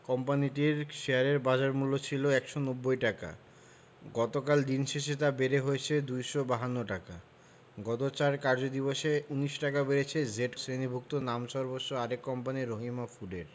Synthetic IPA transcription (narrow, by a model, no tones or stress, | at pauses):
kɔmpaniʈiɾʃeaɾeɾbad͡ʑaɾmulːot͡ɕʰiloɛkʃonobːojʈaka̰ | ɡɔt̪okald̪inʃeʃet̪̬abeɾeɦojet͡ɕʰed̪ujʃobaɦanːoʈaka | ɡɔt̪ot͡ɕaɾkaɾd͡ʑod̪iboʃeuniʃʈakabeɾet͡ɕʰed͡ʑeʈsɾenibʱuk̚t̪onamʃɔɾbosʃoaɾekːɔmpaniɾːoɦimafuɖeɾ